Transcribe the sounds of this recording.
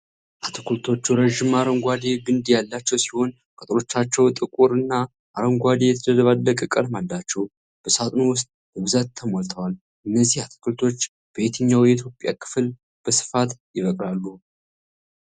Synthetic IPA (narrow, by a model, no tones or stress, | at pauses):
ʔat̪ʰɨkʰult̪ʰo̞t͡ʃːuɾəʒɪmaɾəŋɡʷad̪eɡɨnd̪jalːat͡ʃːɛwsi̥ho̞n | kʼət̪ʼɾo̞t͡ʃːat͡ʃːɛwt̪ʼɨkʼuɾɨnːa | ʔaɾəŋɡʷad̪ejɛt̪ʰəd̪ədəβalːəkʼəkʼəlmalːat͡ʃːɛw | b̥əsat̪ʼnowʊst̪ʼbəβɨzat̪ʰːəmolt̪ʰəwal | ʔɨnːəzːihat̪ʰɨ̥kʰult̪ʰo̞t͡ʃː | b̥əβet̪ʰəɲːawjɛit̪ʰjo̞pʼja̰kʰɨ̥fɨl | b̥əsɨ̥fat̪jɪβəkʼɾalːu